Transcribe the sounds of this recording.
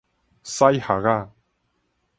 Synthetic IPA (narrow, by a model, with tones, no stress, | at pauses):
sa˦jha˨ɣa˦˨